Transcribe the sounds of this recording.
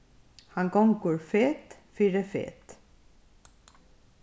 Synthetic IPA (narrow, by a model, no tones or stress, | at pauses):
hɑŋɡɔŋkʊɹfeːt̪fiːɾəfḛːt̪